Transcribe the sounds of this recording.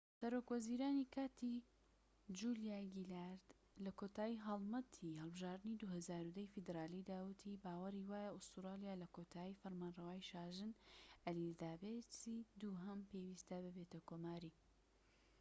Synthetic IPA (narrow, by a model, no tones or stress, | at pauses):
sɐɾoːkwɐziːɾaːnikʰaːt̪ʰi | d͡ʒulijaːɡilaɾd̪̥ | lɐkʰoːt̪aːjiɦɐlˠmɐt̪ʰihɐlˠbɨʒaːɾd̪ɨnid̪uhɐzaːɾud̪ɐjfid̪ɾaːlid̪aːwɨt̪ʰibaːwɐɾiwaːjaʊst̪uɾaːlijaːlɐkʰot̪ʰaːifɐɾmaːnrɐwaːjʃaːʒɨnɐlid̪aːbet͡siːd̪uːɦɐmpewiːst̪ɐbɨbet̪ɐkoːmaːɾi